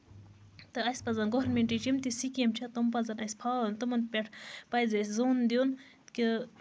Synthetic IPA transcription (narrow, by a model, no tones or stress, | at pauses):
t̪ɨɐjspɐzɐnɡoɦɾnmeɳʈit͡ʃimt̪isikiɐmt͡ʃʰɐt̪ompɐzɐnɐspʰaːlont̪ɨmɐnpʲeʈʰpɐjzɐsʲzoːnd̪ijon | ki